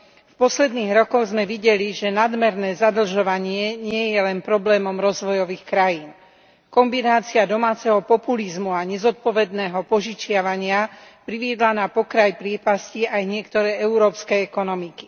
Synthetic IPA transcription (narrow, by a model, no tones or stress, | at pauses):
fpɔslɛd̪niːɣɾɔkɔɣzmɛʋiɟɛliʒɛnad̪mɛɾnɛːzad̪l̩ʒɔʋaɲɪɛɲɪɛjɛlɛnpɾɔblɛːmɔmɾɔzʋɔjɔʋiːxkɾajiːn | kɔmbinaːt͡siad̪ɔmaːt͡sɛɦɔpɔpulizmuaɲɛzɔt̪̚pɔʋɛd̪nɛːɦɔpɔʒit͡ʃɪaʋaɲɪapɾiʋɪɛd̪lanapɔkɾajpɾɪɛpasciajɲɪɛkt̪ɔɾɛːɛuɾɔːpskɛɛkɔnɔmiki̥